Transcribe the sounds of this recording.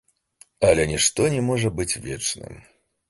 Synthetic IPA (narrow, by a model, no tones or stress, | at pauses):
ɐlʲɛnʲɛʂt̪ɔnʲɛmɔʐɐbɨt͡sʲvʲɛt͡ʂnɨ̰m